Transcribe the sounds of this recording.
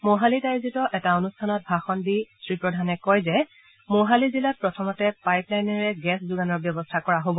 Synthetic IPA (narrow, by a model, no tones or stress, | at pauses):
moɦalitaɹzitɔʔɛtaonustʰanɔt̚bʱaxɔndisɹipɹɔdʱanɛkɔjzɛ | moɦalizilat̚pɹɔtʰɔmɔtɛpajplajnɛɹɛɡɛszuɡanɔɹbjɔbɔstʰakɔɹaɦobɔ